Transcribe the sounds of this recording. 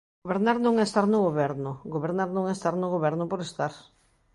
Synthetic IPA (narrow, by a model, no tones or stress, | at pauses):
oβeɾnaɾnõŋɛst̪aɾnʊɣoβɛɾnʊɡoβeɾnaɾnõŋɛst̪aɾnoɣoβɛɾnʊpoɾest̪aɾ